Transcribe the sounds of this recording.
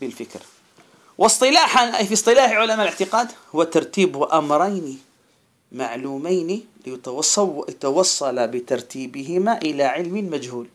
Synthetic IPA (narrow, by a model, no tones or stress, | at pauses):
bɪlfɪkɾ | wʔɑsˤt̪ˤɨlaːħanʔafisˤt̪ˤɨlaːħʕʊlamaːlɪʕt̪ɪqaːd̪hʊwːat̪ɑɾˤt̪iːbʔamɾˤɑjni | maʕluːmajnilj̪wt̪ɑwɑsˤːɑlabɪt̪ɑɾˤt̪ʰiːbɪɦɪmaʔɪlaʕɪlmɪmad͡ʒhuːl